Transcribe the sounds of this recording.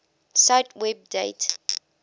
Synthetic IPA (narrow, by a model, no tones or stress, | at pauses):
sajtʰwɛb̚dḛt